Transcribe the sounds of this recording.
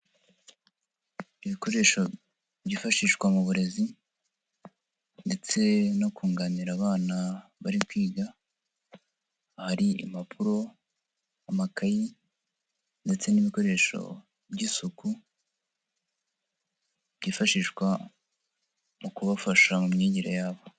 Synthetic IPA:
iβiko̞ɾe̞ːʃo | bɟiːfaʃiːʃkwamuβuɾe̞zi | nde̞t͡se̞nokuːŋɡaniɾaβaːnaβaɾit̚wiːɡa | haɾiḭmapʰuɾo̞ | amakaji | nde̞t͡se̞niβiko̞ɾe̞ːʃo̞̰ | bɟiːsuku | b̥ɟiːfaʃiːʃkwa | mukuβafaʃamumɲiːɟiɾojaːβo̞

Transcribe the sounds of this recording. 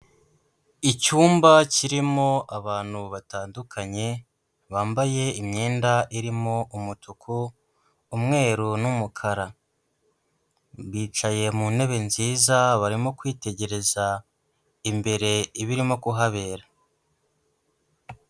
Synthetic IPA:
icuːmbaciɾimo̞aβaːn̥huβataːndukʰaɲe̞ | βaːmbaje̞imɲe̞ːndaʔiɾimo̞ʔumutʰukʰuː | mŋe̞ːɾunumukʰaɾa | βiːt͡ʃaje̞mune̞βe̞nziːzaβaɾimo̞kwiːte̞ɟe̞ɾe̞za | imbe̞ɾe̞iβiɾimo̞kuɦaβe̞ːɾa

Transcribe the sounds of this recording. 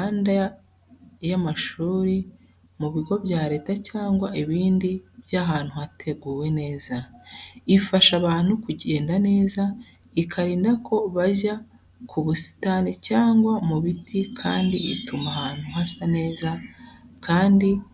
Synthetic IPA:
anda | jamaʃuːɾi | muβiɡo̞bjaːɾe̞ːtacaːŋɡwaʔiβiːndibjaɦaːn̥huhatʰe̞ɡuːwe̞ne̞ːza | ifaʃaβaːn̥hukuɟe̞ːndane̞ːza | ikʰaɾiːndakʰo̞βaʒa | kʰuβusi̥taːnicaːŋɡwamuβitʰikʰaːndḭḭtumaɦaːn̥huhasane̞ːzakʰaːndi

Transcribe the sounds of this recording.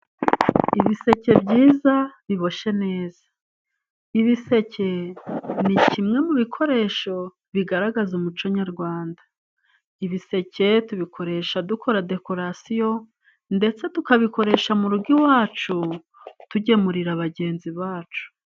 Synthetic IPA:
iβise̞ce̞bɟiːzaβiβo̞ʃe̞ne̞ːz̥ḁ | iβise̞cʰe̞nicimŋe̞muβikʰo̞ɾe̞ːʃo̞ | βiɡaɾaɡazumut͡ʃoɲaɾɡwaːnda | iβise̞ce̞tuβikʰo̞ɾe̞ʃadukʰo̞ɾade̞ko̞ɾasijo̞ | nde̞t͡se̞tukaβiko̞ɾe̞ʃamuɾuɡiwaːt͡ʃu | tuɟe̞muɾiɾaβaɟe̞ːnziβaːt͡ʃu̥

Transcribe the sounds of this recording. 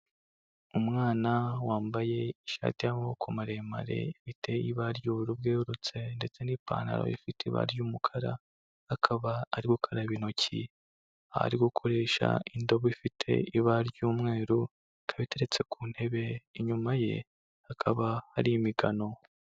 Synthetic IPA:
umŋaːnawaːmbaje̞iʃa̰ːtijamokʰumaɾema̰ɾe̞̰iβiteiβaɾɟuːβiɾub̚ɡeːuɾut͡se̞nde̞t͡se̞nipa̰ːna̰ɾo̰ḭfiteiβa̰ɾɟuːmukʰaɾa̰ | hakʰaβaːɾiɡukʰaɾaβino̞cʰḭ | aa̰ɾiɡukʰo̞ɾe̞ːʃa̰indo̞βoifitʰe̞̰iβaɾɟuːmŋe̞ːɾu | kʰaβite̞ɾe̞t͡se̞kuːn̥he̞βe̞iɲumaje̞̰ | hakʰaβahaɾijimiɡano̞

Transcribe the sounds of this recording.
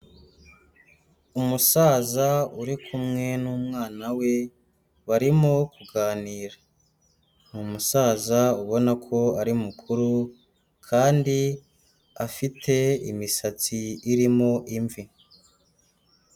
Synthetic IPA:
umusaːzauɾikʰumŋe̞nuːmŋaːnawe̞ | βaɾimokʰuɡaːniːɾa | numusaːzauβo̞nakʰo̞aɾimukʰuɾu | kʰaːndi | afitʰe̞ḭmisat͡siːɾimoʔiɱvi

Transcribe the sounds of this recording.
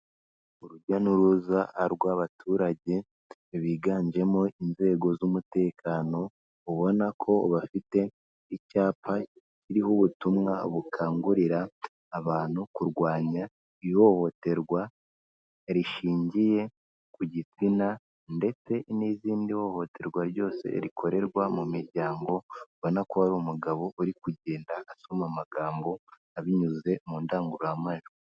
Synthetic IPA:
uɾuɟanuɾuzaaɾɡwaβatʰuːɾaɟe̞ | βiːɡaːɲd͡ʒe̞moinze̞ːɡo̞zumute̞ːkʰano̞ | uβo̞nakʰo̞βafite̞ | icaːpʰa | ciɾihuβutumŋaβukʰaːŋɡuɾiɾaː | βaːn̥hukuɾɡwaːɲa | iho̞ho̞te̞ɾɡwa | eɾiʃiːɲɟije̞ | kuɟit͡sina | nde̞t͡se̞niziːndiho̞ho̞tʰe̞ɾɡwaɾɟo̞ːse̞̰ɾikʰo̞ɾe̞ɾɡwamumiɾɟaːŋɡo̞βonakohaɾumuɡaβo̞ʔuɾikuɟe̞ːndaːsomamaɡaːmbo̞ | aβiɲuze̞muːndaːŋɡuɾuamaʒo

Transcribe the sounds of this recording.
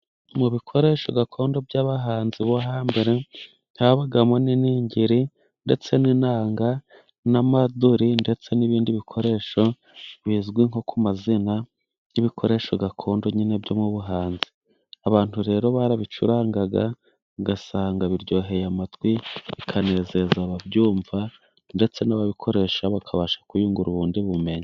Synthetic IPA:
muβikʰo̞ɾe̞ːʃo̞ɡakʰo̞ːndo̞bɟaːβaɦaːnziβoɦaːmbeɾe | n̥haβaɡamo̞niniːɲɟiɾi | nde̞t͡se̞ninaːŋɡa | namaduɾinde̞t͡se̞niβiːndiβikʰo̞ɾe̞ːʃo̞ | βizɡwiŋokʰumazina | jiβikʰo̞ɾe̞ːʃo̞ɡakʰo̞ːndo̞ɲine̞bɟo̞mŋuβuɦaːnzi̥ | aβaːn̥huɾe̞ːɾo̞βaɾaβit͡ʃuɾaːŋɡaɡa | ɡasaːŋɡaβiɾɟo̞ːɦe̞jamatwiβikʰane̞ːze̞zaβabɟuːɱva | nde̞t͡se̞naβaβikʰo̞ɾe̞ːʃaβakʰaβaʃḁkujuːŋɡuɾuβuːndiβume̞ɲa

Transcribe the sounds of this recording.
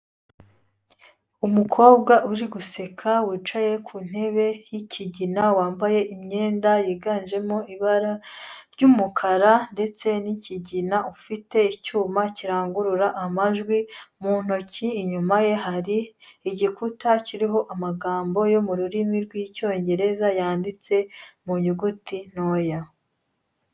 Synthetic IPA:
umukʰo̞ːbɡaʔuɾiɡuse̞kʰawiːt͡ʃaje̞kʰuːn̥he̞βe̞jicʰiɟinawaːmbaje̞ʔimɲe̞ːndajiːɡaːnd͡ʒe̞moiβaɾaɾɟumukʰaɾande̞t͡se̞niciɟinaufite̞icuːmaciɾaːŋɡuɾuɾaʔːmaʒɡwimuːn̥o̞ciːɲumaje̞ɦaɾiːɟikutaciɾiɦo̞ʔamaɡaːmbo̞jo̞muɾuɾimiɾɡwiːco̞ːɲɟe̞ɾe̞zajaːndit͡se̞muɲiɡutin̥oja

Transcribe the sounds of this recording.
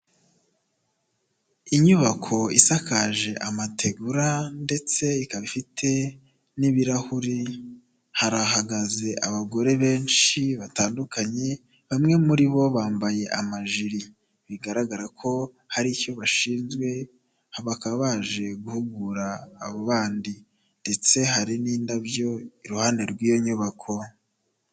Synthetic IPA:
iɲuβakʰo̞isakaʒe̞ʔamatʰe̞ɡuɾande̞t͡se̞ikaβifitʰe̞ | niβiɾahuɾi | haɾaɦaɡaze̞ʔaβaɡo̞ɾe̞βe̞ːnʃiβataːndukaɲe̞ | βamŋe̞muɾiβo̞βaːmbaje̞ʔamaʒiɾi | βiɡaɾaɡaɾakʰo̞ | haɾico̞βaʃiːnzɡwe̞ | hβakaβaʒe̞ɡuhuɡuɾaːβoβaːndi | nde̞t͡se̞ɦaɾiniːndaβjo̞iɾuhane̞ɾɡwiːjo̞ɲuβakʰo̞

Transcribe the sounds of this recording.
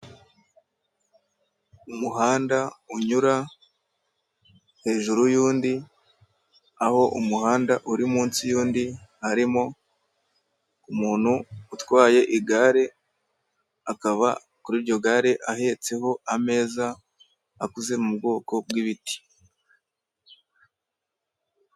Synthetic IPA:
umuɦaːndauɲuɾa | he̞ːʒuɾujuːndi | aho̞ʔumuhaːndaʔuɾimuːnsijuːndihaɾimo̞ | umuːn̥huːtwaːje̞ʔiɡaːɾe̞ | akaβa̰ | kuɾiːɾɟo̞ɡaːɾe̞ʔahe̞t͡se̞ho̞ame̞ːzaː | kuze̞muubɡo̞ːko̞b̚wiβiti̥

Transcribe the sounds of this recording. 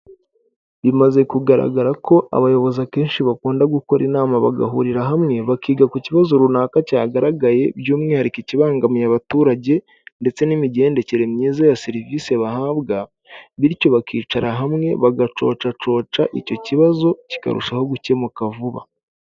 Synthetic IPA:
βimaze̞kuɡaɾa̰ɡaɾakʰo̞ʔa̰βajo̞βo̞zake̞ːnʃiβakuːndaɡuko̞ɾʔinaːmaβa̰ɡa̰ɦuɾiɾaɦamŋe̞βakiːɡakuciβazo̞ɾunaːkacaːɡaɾaɡaje̞bjuːmŋe̞haɾikiciβaːŋɡamijaβatuːɾaɟe̞ | nde̞t͡se̞nimiɟe̞ːnde̞ce̞ɾe̞mɲiːzajasiɾiviːse̞βahaːβɡa | βiɾco̞βakʰiːt͡ʃaɾaɦamŋe̞̰βaɡat͡ʃo̞̰ːt͡ʃat͡ʃo̞ːt͡ʃaʔico̞ciβazo̞ci̥ka̰ɾṵʃaho̞ɡuce̞mukavuβa̰

